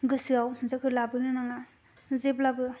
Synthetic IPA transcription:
ɡɯsɯawzakʰɯlabɯnɯnaŋa | zeplabɯ

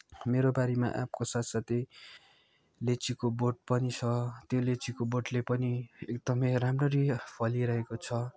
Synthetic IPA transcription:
meɾobaɾima̰ʔa̰pkosat̪sat̪e | let͡sikoboʈ̚pʌnit͡sʰʌt̪jolet͡sikoboʈlepʌniekd̪ʌmʌjramrʌɾipʰʌliɾʌɦekot͡sʰʌ

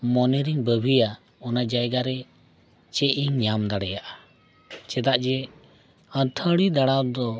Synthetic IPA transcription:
mɔnɛɾiŋbəbʱija | ɔnad͡ʒajɡaɾɛ | t͡ʃɛʔiŋɲamd̪aɽɛjaʔa | t͡ʃɛt̪aʔd͡ʒɛ | ə̃t̪ʰəɽid̪aɽawd̪ɔ

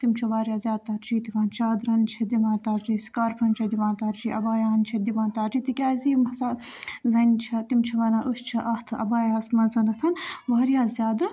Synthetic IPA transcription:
t̪imt͡ʃʰuʋaːɾʲjaːzʲjaːd̪̚t̪aːɾt͡ʃiːt̪iʋaːnt͡ʃʰaːd̪ɾɐnt͡ʃʰɐd̪iʋãːnt̪aɾd͡ʒiːskaːɾpʰɐnt͡ʃʰɐd̪iʋãːnt̪ɐɾt͡ʃiːʔɐbaːjaːnt͡ʃʰɐd̪iʋãːnt̪aːɾt͡ʃiːt̪ikʲaːziːmɐsazɐnʲt͡ʃʰɐt̪imt͡ʃʰɐʋɐnaːʔuʃt͡ʃʰɐʔɐht̪ʰɨɐ̰baːjaːsmɐnzɐnɐt̪ʰɐnʋaːɾjaːzʲjaːd̪ɨ

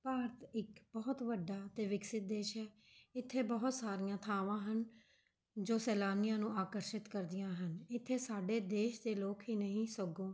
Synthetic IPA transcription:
paːɾt̪ɪkbɔːt̪ʋəɖːaːt̪eːʋɪksɪt̪̚d̪eːʃɦɛː | ɪt̪ʰːeːbɔɦʊt̪saːɾɪjãːt̪ʰaːʋãːɦən | d͡ʒoːsɛːlaːnɪjãːnũːaːkəɾʃɪt̪kəɾd̪ɪjãːɦənɪt̪ʰːeːsaːɖeːd̪eːʃd̪eːloːkɦiːnəɦĩːsəɡõː

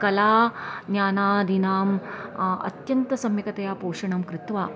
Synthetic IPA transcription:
kɐlaːnjaːnaːd̪ʱinaːm | ɐ̰t̪jɐnt̪ɐsɐmjɐkɐt̪ɐjaːpoːʂɐɳɐmkɾɪt̪ʋaː

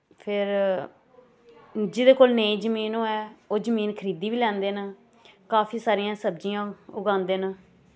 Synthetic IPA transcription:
pʰɪɾ | d͡ʒɪd̪eːkoːlneĩːd͡ʒəmiːnoːɛːoːd͡ʒəmiːnkʰəɾiːd̪iːʋiːlɛ̃ːnd̪eːna | kaːpʰiːsaːɾijãːsəb̚d͡ʒijãːʊɡãːnd̪eːnaː

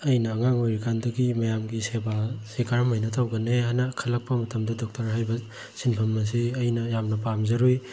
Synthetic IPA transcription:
ɐjnɐːŋaŋojɾikʰandɐɡimɐjamɡisebasekʰaɾmajnɐtʰawɡɐnehanɐkʰɐlɐk̚pɐmɐtʰɐmdɐdɔk̚tɐɾɦajbɐ | sinpʰɐmːɐs̬iɐjnɐjamnɐpamzɐɾuj

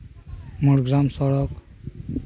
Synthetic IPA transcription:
muɽɡɾamsɔɽɔk

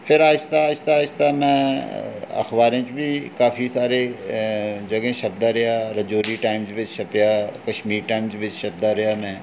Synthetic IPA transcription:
pʰɪɾaːɪst̪ast̪aːst̪amɛ̃ː | ɐ̰xbaːɾẽt͡ʃbʱikaːfisaːɾe | d͡ʒɐɡẽʃɐbd̪aɾɐjaɾɐd͡ʒoːɾiʈaːɪmd͡ʒʋɪt͡ʃʃɐpjakɐʃmiːɾʈaːɪmd͡ʒʋɪt͡ʃʃɐb̚d̪aɾɐjamɛ̃ː

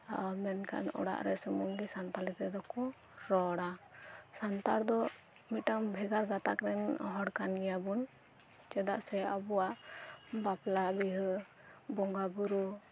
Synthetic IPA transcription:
amɛnka̰nɔ̰ɽa̰ʔɾɛsɔmɔŋɡisant̪alɛt̪ɛd̪ɔkɔ | ɾɔɽasant̪aɽd̪ɔ | miʈambʱɛɡaɾɡat̪akɾɛnɔ̰ɦɔɽkanɛjabun | t͡ʃɛd̪aʔsɛabɔwaʔbaplabiɦ | bɔŋɡabuɾu

